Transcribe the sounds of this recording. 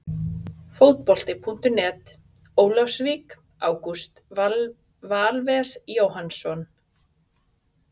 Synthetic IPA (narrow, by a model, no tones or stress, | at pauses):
foːwt̪̚pɔl̥t̪ɪpʰun̥t̪ʏnɛːt̪ | oːwlafsvik | aːwkust̪ | vaːlvɛsjoːwɦansɔn